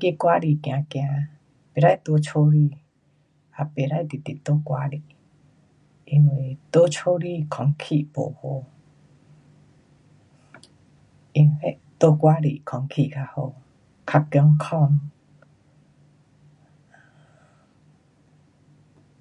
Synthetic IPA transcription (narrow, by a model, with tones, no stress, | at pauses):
ke˧˨kwa˦ɾi˧˨kj̃ã˨˧kj̃a˧ | pe˨ɾa˦˧˨jt̪o˧˦t͡ʃʰo˧˦ɾi˧˨ | a˧˨pe˨ɾa˧˨jt̪i˨t̪i˨t̪o˧˦kwa˧ɾi˧˨ | i˧ŋwe˧˨t̪o˧˦t͡ʃʰo˧˦ɾi˧˨kʰɔ˧ŋkʰi˧˨po̰˨ho˧ | i˧ŋhe˦ʔt̪o˦kwa˦ɾi˧˨kʰɔ˨˧ŋkʰi˧˨ʔkʰa˧ho˧ | kʰa˧ke˧˦ŋkʰɔ˧ŋ